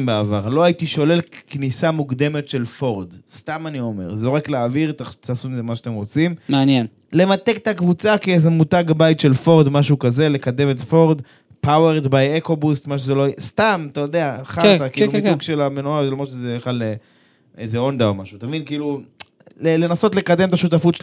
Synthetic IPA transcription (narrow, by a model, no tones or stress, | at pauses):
mbeavaʁlo̞ait̪iʃo̞le̞lknisamukd̪e̞me̞t̪ʃe̞lfo̞ʁd̪st̪amanio̞me̞̰ʁzoʁekleːviʁt̪at͡sasunizemaʃat̪emʁo̞t͡simmaanjen | le̞mat̪e̞kt̪akvut͡sakiezemutaɡabajt̪ʃe̞lfo̞ʁd̪maʃukaze̞le̞kad̪e̞met̪fo̞ʁd̪ | paweʁd̪bajeko̞bust̪maʃ̬ezelojst̪amat̪ajod̪eaχat̪akiuiuɡʃelamenuazelomʁotʃezebeχale | ezeo̞nd̪aomaʃut̪avinkiiːlu | lelenaso̞t̪le̞kad̪e̞mt̪aʃut̪̬afutʃ